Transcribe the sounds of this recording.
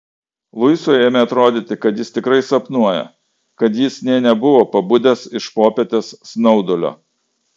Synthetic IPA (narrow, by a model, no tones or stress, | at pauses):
lˠʊɪsoːjeːmʲeːɐt̪ɾoːd̪ʲiːt̪ʲɪkɐt̪jɪst̪ʲɪkɾɐɪsɐpnuɔjɛ̰ | kɐt̪jɪsnʲɛɪnʲɛbʊʋoːpɐbʊd̪ʲɛsɪʃpoːpʲɛt̪ʲesːnɒʊd̪olʲo̰ː